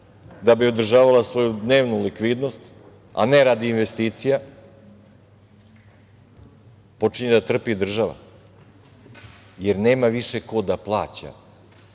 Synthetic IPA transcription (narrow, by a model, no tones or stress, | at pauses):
d̪abiod̪r̩ʒaːʋalasʋo̞jud̪ne̞ːʋnulikʋid̪no̞st̪ | a̰ne̞ɾad̪iːnʋe̞st̪iːt̪sija | po̞t͡ʂiɲed̪at̪r̩pid̪r̩ʒaʋa̰ | je̞ɾne̞ːmaʋiʃe̞ko̞d̪aplˠaːt͡ɕa̰